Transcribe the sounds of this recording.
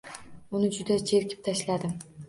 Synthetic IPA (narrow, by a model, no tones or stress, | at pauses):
ʊnɪd͡ʒʊd̪ad͡ʒeɾkʲɪ̥p̚t̪ʰaʃlad̪ɪm